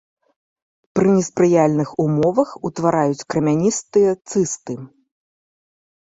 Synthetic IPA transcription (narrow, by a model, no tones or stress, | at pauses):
pɾɨnʲɛspɾɨjalʲnɨxumɔvɐxut̪vaɾajut͡sʲkɾɐmʲanʲist̪ɨjɐt̪sɨst̪ɨ